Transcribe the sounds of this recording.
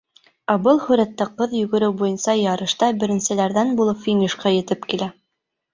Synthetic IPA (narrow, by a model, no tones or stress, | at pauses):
æbɤlˠhɵ̆ɾæt̪ːæqɤðjɵ̆ɡɘ̆ɾɘwbujɤ̆nsɑjɑɾɤ̆ʃt̪ɑbɘ̆ɾɘ̆nsɘ̆læɾðænbulˠɤpfʲinʲiʃkɑjɘ̆t̪ɘpkilæ